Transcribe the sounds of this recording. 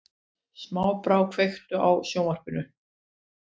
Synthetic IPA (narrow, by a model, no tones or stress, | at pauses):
smaːwpɾawkʰvejxt̪ʏʔawsjoːwmar̥pʏnʏ